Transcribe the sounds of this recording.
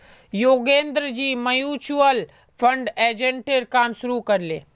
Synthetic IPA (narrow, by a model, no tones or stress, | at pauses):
joːɡẽːnd̪ɾəd͡ʑiːmɐjuːt͡ʃuəl | pʰɐ̃ɳɖeːd͡ʒẽɳʈeɾkaːmʃʊɾukɐɾlḛː